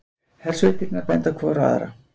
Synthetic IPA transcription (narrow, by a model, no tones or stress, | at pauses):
hɛl̥sʏt̪ɪɾnaɾpɛnt̪akʰvɔːɾa̰ðɾa̰